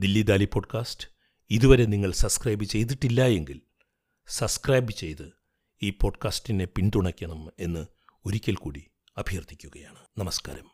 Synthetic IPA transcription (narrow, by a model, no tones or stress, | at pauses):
d̪ilːid̪aːlipo̞ːɖkaːsʈɨ̥ | iðuʋɐɾe̞niŋːɐɭsɐbskrɐjbɨt͡ɕe̞jt̪̬iʈːilːɐje̞ŋɡil | sɐbskrɐjbɨt͡ɕe̞jt̪ɨ | iːpo̞ːɖkaːsʈine̞pinɖ̪uɳɐkʲːɐɳɐme̞nːɨ | oɾikʲːɐlkuːɽi | ɐbʱijɐrt̪ːi̥kʲːuɣɐjaːɳɨnɐmɐska̰ːɾɐm